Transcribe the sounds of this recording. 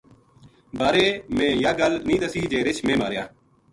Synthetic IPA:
baːɾeːmẽːjaːɡəlnĩːd̪əsiːd͡ʒeːɾɪt͡ʃʰmẽːma̰ːɾɪja̰ː

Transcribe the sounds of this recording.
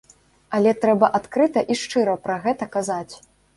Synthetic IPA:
ɐlʲɛt̪ɾɛbɐʔat̪kɾɨt̪ɐʔiʂt͡ʂɨɾɐpɾɐɣɛt̪ɐkazat͡sʲ

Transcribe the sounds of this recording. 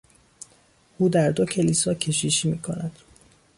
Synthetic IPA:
ʔuːd̪æɾd̪o̞cʰe̞lisɒːcʰe̞ʃiːʃiːmiːkʰonæd̪̥

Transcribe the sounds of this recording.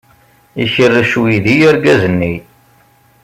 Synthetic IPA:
içərːʃwiðijæɾɡæzənːi

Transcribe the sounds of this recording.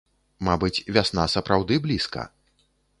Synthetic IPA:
mabɨt͡sʲvʲasn̪asɐpɾawd̪ɨblʲiskɐ̰

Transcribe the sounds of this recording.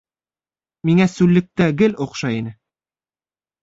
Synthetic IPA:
miŋæsʉlːɘ̆k̚t̪æɡɘloqʃɑinɘ

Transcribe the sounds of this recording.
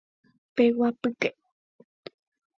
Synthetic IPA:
pewapɨkeʔ

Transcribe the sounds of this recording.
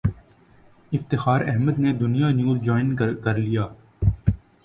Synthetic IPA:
ɪft̪ɪxaːɾɛɦməd̪ned̪ʊnijanjuːzd͡ʒɔːɪnkəɾlijaː

